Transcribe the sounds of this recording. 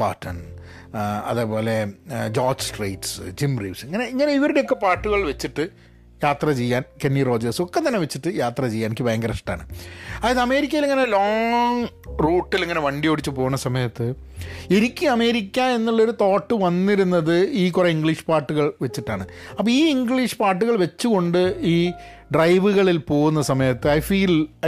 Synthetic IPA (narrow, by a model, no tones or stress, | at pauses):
pa̰ːʈʰːɐn | ɐ̰ðepo̞ːle̞d͡ʑoːd͡ʑsʈrejʈsd͡ʑimrḭːʋseŋːɐne̞iŋːɐneiʋɐɾɽejokːe̞paːʈːuɣɐɭʋet͡ɕːiʈːɨ | jaːt̪rɐt͡ɕejːaːnkenːiro̞ːd͡ʑɐrso̞kːe̞t̪ːɐnːe̞ʋet͡ɕːiʈːɨjaːt̪rɐt͡ɕejːaːninikʲːɨbeːŋɡɐɾɐʂʈa̰ːɳɨɐaːjɐðɨɐme̞ːɾikʲːɐjileŋːɐne̞loːŋruːʈːileŋːɐne̞ʋɐɳɖijo̞ːɽit͡ɕːɨpo̞ːɣunːɐsɐmɐjɐt̪ːɨ | eɾikʲːɨɐme̞ːɾikʲːae̞nːuɭːɐo̞ɾut̪o̞ːʈːɨʋɐnːiɾunːɐðɨiːkureiŋɡɭiʂpaːʈːuɣɐɭʋet͡ɕːiʈːaːɳɨɐpːoiːiŋɡɭiʂpaːrʈːuɣɐɭʋe̞t͡ɕːuɣo̞ɳɖɨiː | ɖrɐjʋuɣɐɭilpo̞ːɣunːɐsɐmɐjɐt̪ːɨɐjfiːl